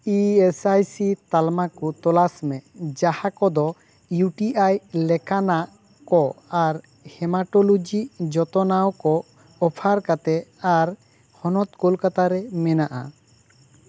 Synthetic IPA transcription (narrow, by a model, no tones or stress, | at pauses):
iesajsit̪almakɔt̪ɔlasmɛʔd͡ʒahakɔd̪ɔ | juʈiʔajlɛkanaʔ | kɔaɾ | hɛmaʈolod͡ʒid͡ʒɔt̪ɔnawkɔ | ɔpʰaɾkat̪ɛaɾ | hɔnɔt̪kolkat̪aɾɛmɛnaʔa̰